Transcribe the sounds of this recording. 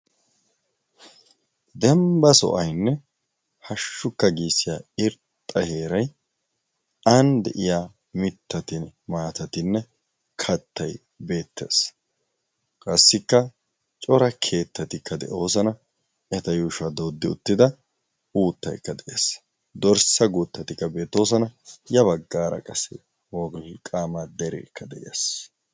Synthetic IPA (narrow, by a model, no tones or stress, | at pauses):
d̪ɛmbɐsɔ̰ʔɐjnːɛ | hɐʃːʊkːɐɡiːsːɪjaːɪɾtt̪ʼːɐhe̞ːɾɐj | ɐnd̪ɛ̰ʔɪjaː | mɪt̪ːɐt̪ɪnmaːt̪ɐt̪ɪnːɛ | kʰɐt̪ʰːɐj | be̞ːt̪ːe̞̰ːs | kʼɐsːɪkːɐ | t͡ʃʼɔɾɐkʰe̞ːt̪ːɐt̪ɪkːɐd̪ɛ̰ʔo̞ːsɐnɐ | ʔɛt̪ɐjuːʃɐd̪oːd̪ːɪʊ̰t̪ːɪd̪ɐ | uːt̪ːɐjkːɐd̪ɛʔeːs | d̪ɔɾsɐɡuːt̪ːɐt̪ɪkːɐbe̞ːt̪ːo̞ːsɐnɐjɐβɐɡːaːɾɐ̰kʼɐsɛ̰ | wɔɡlkʼaːmad̪ɛɾɛ̰kʰːɐd̪ɛʔjes